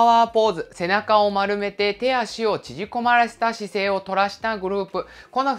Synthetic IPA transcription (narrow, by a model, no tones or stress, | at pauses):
aaːpo̞ːzɨse̞nakao̞maɾɯ̟me̞t̪e̞t̪e̞jaɕio̞t͡ɕiʑiko̞maɾase̥t̪aɕise̞ːo̞t̪o̞ɾaɕi̥t̪aɡɯ̟ɾɯ̟ːpɯ̟ko̞no